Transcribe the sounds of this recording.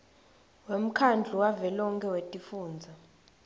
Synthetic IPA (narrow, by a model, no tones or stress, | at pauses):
wem̩kʰand͡ɮʱuwavɛlɔŋkʰɛwetʼifuːnd͡zʱa